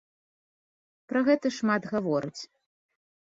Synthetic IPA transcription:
pɾɐɣɛt̪ɐʂmad̪ɣavɔɾɨt͡sʲ

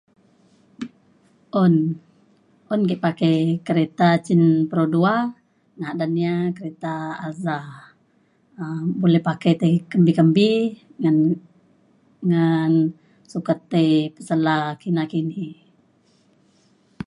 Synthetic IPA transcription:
ʔɔn | ʔɔnkiʔpakejkəɾet̪at͡ʃinpəɾodua | ŋaadaniakəɾet̪aːza | əbolɛhpakejt̪ekəmbikəmbi | ŋan | sukat̪ːejpə̥səlakinakini

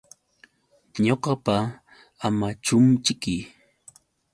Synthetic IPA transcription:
ɲoqɑpa | amat͡ʃʊmt͡ʃɪkɪ

